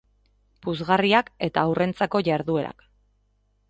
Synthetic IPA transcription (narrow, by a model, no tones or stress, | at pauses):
puzɣariake̞t̪aːwrʔe̞nt͡sako̞ʝaɾðue̞ɾa̰k